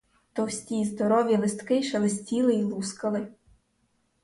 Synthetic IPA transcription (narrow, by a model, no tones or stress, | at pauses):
t̪ɔwsʲtʲizd̪ɔɾɔʋʲjilˠɪst̪kɪʃɛlˠɪsʲtʲilˠɪilˠuskɐlˠɪ